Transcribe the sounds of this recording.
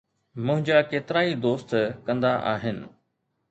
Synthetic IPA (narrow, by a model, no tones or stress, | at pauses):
mʊ̃ɦɪ̃ɲd͡ʑakeːt̪ɪɾaːid̪oːst̪kɐ̃nd̪aʔa̰ːɦɪnɪ̰̆